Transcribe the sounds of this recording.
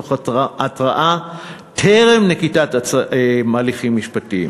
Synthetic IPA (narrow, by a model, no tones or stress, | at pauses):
oχatʁaʔa | tʰeʁemnekitat | maːliχimːiʃpatim